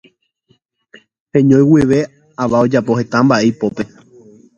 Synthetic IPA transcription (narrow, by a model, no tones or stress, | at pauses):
hẽ̞ɲõj̃wiʋe̞ | aʋao̞d͡ʒapo̞he̞t̪ãmbaʔe̞jpo̞pe̞